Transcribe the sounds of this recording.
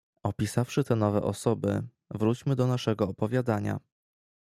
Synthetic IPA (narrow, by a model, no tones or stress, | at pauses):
ɔpʲisafʂɘt̪ɛnɔvɛ̰ʔɔsɔbɘ̰ | vɾut͡ɕmɘd̪ɔnaʂɛɡɔːpɔvʲjad̪aɲa̰